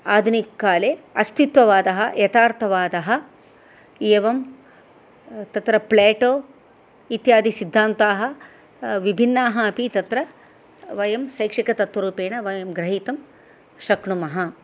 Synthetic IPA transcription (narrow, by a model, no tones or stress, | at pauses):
aːd̪ʱunikːaːleːɐst̪it̪ʋɐʋaːd̪ɐɦɐjet̪aːɾt̪ʰɐʋaːd̪ɐɦɐ | eːʋɐm | t̪ɐt̪ɾɐpleːʈoː | it̪jaːd̪ʱisid̪ʱːaːnt̪aːɦɐ̆ | ʋibʱinːaːɦɐɐpit̪ɐt̪ɾɐ | ʋɐjɐmsɐjkʂikɐt̪ɐt̪ʋɐɾuːpeːɳɐʋɐjɐmɡɾɐɦiːt̪ɐm | ʃɐkɳumɐɦɐ